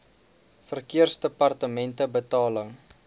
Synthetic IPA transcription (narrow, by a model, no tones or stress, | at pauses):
fərkiərsdəpɐrtəmɛntəbətɑːləŋ